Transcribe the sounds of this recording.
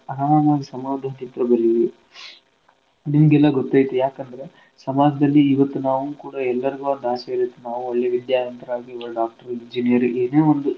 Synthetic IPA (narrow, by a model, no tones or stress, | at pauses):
ɐɾamaːmaːɡ̪ɐsɐmaːd̪ʱaːt̪int̪ɾɐbɐɾiʋii | nimɐɡɛlːɐɡɔt̪ːaːjit̪ujaːkɐnd̪ɐɾe̞ | sɐmaːɡʱɐd̪ɐlːiːʋɐt̪ːunaːʋuukuːɽɐɛlːɐɾiɡuɐnd̪aːsɐiɾit̪ːunaːʋuoɭːe̞ʋid̪jaːnɐnt̪ɐɾɐaːɡiʋɐɾɖaːk̚ʈɐɾind͡ʒinijɐɾeːneːond̪u